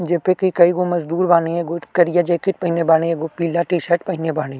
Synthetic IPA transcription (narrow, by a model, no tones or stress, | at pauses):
d͡ʒeːpekiikɐiɡomɐzd̪uːɾbaːneeɡokɐɾijad͡ʒeːkɪt̪̚pɐɦɪnebaːneeɡopiːlaʈiːʃɐʈ̚pɐɦɪnebaːɽ̃e